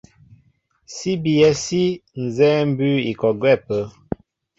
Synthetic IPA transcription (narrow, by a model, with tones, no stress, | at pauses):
si˦bi˨ɛ˨si˦n̩˨zɛ˦m̩˦bʉ˦i˨kɔ˨ɡwɛ˦˨pə˨˦